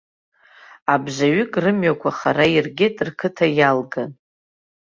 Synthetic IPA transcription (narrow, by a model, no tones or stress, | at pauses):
abʒʷaɥʏkʼrɨmɥakʷʰaχarairɡʲɪtʼrkʰɨtʰajalɡan